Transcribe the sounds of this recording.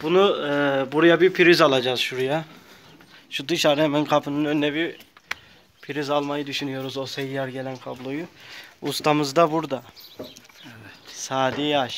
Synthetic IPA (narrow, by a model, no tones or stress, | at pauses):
b̥unubuɾujabipʰiɾizalˠad͡ʒaːzʃuɾuja | ʃud̪ɯʃaɾɯɛmɛnkʰapʰɯnɯnønːɛbi | pʰiɾizalˠmajɯd̪yʃynyjo̞ɾuzo̞sejjaɾɟelænkʰablˠojuust̪ʰamɯzd̪abuɾd̪a | evɛt̪saːd̪iaʃ